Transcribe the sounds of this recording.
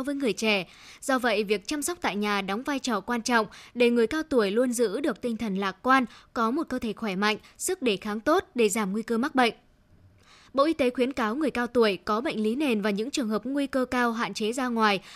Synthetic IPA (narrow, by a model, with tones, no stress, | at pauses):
wvəː˨˦jŋɨ˨˩əjt͡ɕɛ˧˩ | z̥ɔ˧və̰˧˨jvi˨˩ək̚t͡ɕa˧msɔ˦˥k͡p̚t̪a̰ː˧˨jɲaː˨˩ɗɔ˨˦wŋ͡mvaː˧jt͡ɕɔ˨˩kwaː˧nt͡ɕɔ̰˧˨wŋ͡mɗe˧˩ŋɨ˨˩əjkaː˧wt̪u˧˩əjlu˧ənzɨ̰˧˥ɗɨ˨˩ək̚t̪ï˧ŋt̪ʰə˨˩nlaː˨˩k̚kwaː˧nkɔ˨˦mo˨˩t̚kəː˧t̪ʰe˧˩xwɛ˧˩ma̰˧˨jŋ̟sɨ˦˥k̚ɗe˧˩xaː˨˦ŋt̪o˦˥t̚ɗe˧˩zaː˧˩mŋwi˧kəː˧ma˦˥k̚ɓə̰˧˨jŋ̟ | ɓo̰˧˨ʔi˧t̪e˨˦xwi˨˦ənkaː˨˦wŋɨ˨˩əjkaː˧wt̪u˧˩əjkɔ˨˦ɓə̰˧˨jŋ̟li˨˦ne˨˩nvaː˨˩wɲɨ̰˧˥ŋt͡ɕɨ˨˩əŋhɦəː˨˩p̚ŋwi˧kəː˧kaː˧wɦa̰ː˧˨nt͡ɕe˨˦zaː˧ŋwaː˨˩j